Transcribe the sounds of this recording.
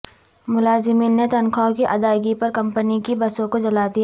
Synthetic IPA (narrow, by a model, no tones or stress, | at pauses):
mʊlaːzɪmiːnːet̪ɐnkʰakiʔɐd̪aːɪɡipɐɾkɐ̃mpənikibɐsõkod͡ʒɐlaːd̪i